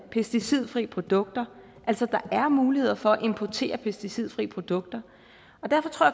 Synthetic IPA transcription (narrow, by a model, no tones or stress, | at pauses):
pʰesd̥isið̞̰ˠfʁḭːəpʰʁo̝d̥ɔ̽ɡ̥̚d̥ɐ | ʔæl̰sɒ̽d̥ɑ̈ʔæɐmuːlihe̝ð̰ˠɐfɒ̽æʔe̝mpʰɒt͡sʰe̝̰ːɐpʰesd̥isið̞̰ˠfʁḭːəpʰʁo̝d̥ɔ̽ɡ̥̚d̥ɐ | ɒ̽d̥æɐfɒ̽t͡sʰo̝ɐ̰